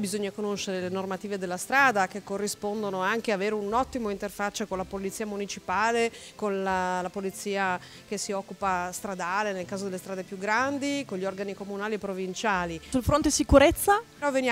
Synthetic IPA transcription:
bizoɲːakonoʃːeɾelenormat̪iːved̪elːast̪ɾaːd̪ak̟ekːorːispond̪onoaŋk̟eaaveːɾeunɔt̪ːimoint̪erfat͡ʃːakonlapolit̪siːamunit͡ʃipaːlekonlalapolit̪siːa | kesːiɔkːupast̪ɾad̪aːlenelkaːzod̪elest̪ɾaːd̪epjuɡɾand̪ikoɲʎiɔrɡanikomunaːliepːɾovint͡ʃaːlisulfɾont̪esikuɾet̪sːa | ɾɔven

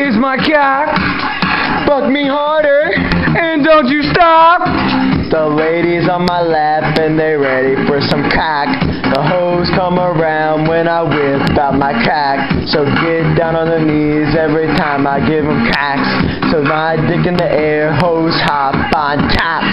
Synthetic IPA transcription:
ɪzmaɪkʰæk | b̥ʌk̚miɦɑɹɾə˞ | ɨ̃ndõʊ̃nt͡ʃɨstɑp̚ | ðəleɪɾizn̩maɪlæ | pɨ̃nðeɪɹɛɾifə˞sʌ̃mkʰæk | ðəɦoʊz̥kʰʌ̃mə˞ãʊ̃nd̚wɨ̃naɪwɪ | baʊt̚maɪkʰæk | soʊɡɛt̚d̥ãʊ̃nə̃nðɨni | zɛvɹitʰãɪ̃maɪɡɪvə̃mkʰæks | soʊaɪdɪkɨ̃nðiʔɛɹɦoʊz̥hɑ | fb̥ãɪ̃ntʰæp̚

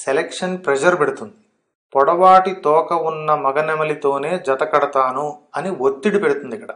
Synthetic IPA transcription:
selekʂɐnpɾɛd͡ʒɐɾpeɽut̪und̪i̥ | pɔɽɐʋaːʈit̪ɔːkɐunːɐmɐɡɐnɛmɐlit̪o̞ːne̞ːd͡ʒɐt̪ɐkɐɽɐt̪aːnuɐniot̪ːiɽipeɽut̪und̪ikːɐɽɐ

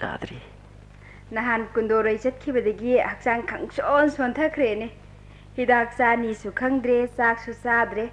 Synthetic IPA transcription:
a̰d̪ɾi | nɐɦankundoɾɐjt͡ʃɐt̚kʰibɐdɐɡihak̚saŋkʰɐŋsonsontʰɐkʰɾene | hidaɦɐk̚sanisukʰɐŋdɾesak̚susadɾe

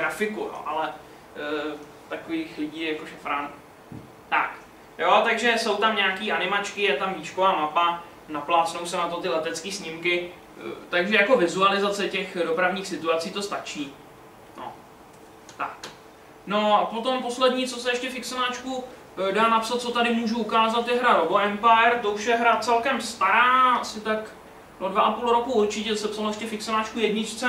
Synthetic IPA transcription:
ɡɾafɪkujo̰ʔalɛ | t̪akoviːxlɪɟiːjako̞ʃɛfɾan | t̪a̰k | jot̪aɡʒɛso̞wt̪amɲɛakiːʔanɪmat͡ʃkɪjɛt̪amviːt͡ʃkovaːmapa | naplaːt͡snowsɛnat̪o̞t̪ɪlɛt̪ɛt͡skiːsɲɪmkɪ | t̪aɡʒɛjako̞vɪzualɪzat͡sɛcɛxdo̞pɾavɲiːxsɪt̪uat͡siːt̪o̞st̪at͡ʃiː | nʔo̰ | t̪ak | no̞apo̞t̪o̞mpo̞slɛdɲiːt͡sosɛjɛʃcɛfɪksonaːt͡ʃku | daːnapsat̪̚t͡so̞t̪adɪmuʒuukaːzat̪jɛɦɾaɾoboʔɛmpajɛɾt̪o̞uʃjɛɦɾat͡sɛlkɛmst̪aɾaːasɪt̪ak | dodvaʔapulɾo̞kuuɾt͡ʃɪcɛsɛpsalojɛʃcɛfɪksonaːt͡ʃkujɛdɲɪt͡ʃt͡sɛ

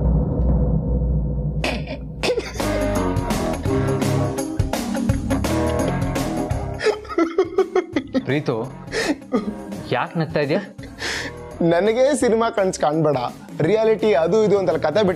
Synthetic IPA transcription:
pɾiːt̪o | jaːknɐɡ̚t̪aːjd̪jaː | nɐnɐɡeːsinimaːkɐɳskaːɳbɐɽa | ɾijaːliʈiɐd̪uid̪uɐnt̪ɐlɐkɐt̪ʰebiʈ

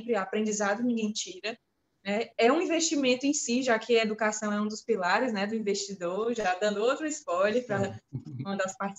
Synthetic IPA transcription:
pɾɪapɾẽnd͡ʒizad̪ʊnĩɡẽj̃t͡ʃiɾɐ | nɛɛũĩveʃt͡ʃimẽnt̪ʊẽsiʒakʰɪɐed̪ukasɐ̃w̃ɛũd̪ʊspilaɾɪznɛd̪ʊĩveʃt͡ʃid̪oɾʒad̪ɐ̃nd̪ʊowt̪ɾʊispɔjlɐpɾɐɐ̃d̪aspaɾt͡ʃs

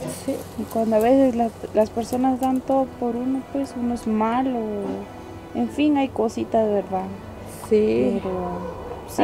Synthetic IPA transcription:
siikwand̪oaβeseslalaspeɾso̞nazd̪ant̪oðopoɾunopwe̞sunoezmalo | eɱfiŋajkosit̪aðeβeɾða | sipeɾo | s

